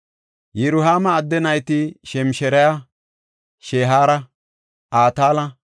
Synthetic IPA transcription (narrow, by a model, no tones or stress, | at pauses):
jɛɾʊɦaːmɐːd̪ːɛnɐjt̪ɪʃɛmʃɛɾɐja | ʃeːɦaːɾɐ | aːt̪aːlɐ